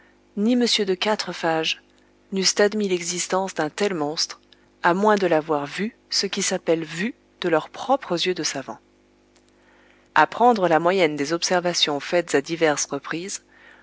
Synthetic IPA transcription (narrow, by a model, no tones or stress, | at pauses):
niməsjød̪əkat̪χəfaʒ | nyst̪ad̪milɛɡzist̪ɑ̃sd̪ɛ̃t̪ɛlmɔ̃st̪χ | amwɛ̃d̪əlavwaʁvy | səkʲisapɛlvy | d̪̥əlœʁpχɔpχəzjød̪əsavɑ̰̃ | apχɑ̃d̪ʁəlamwajɛnd̪ezɔpsɛʁvasjɔ̃fɛt̪z̥ad̪ivɛʁsʁəpχiːz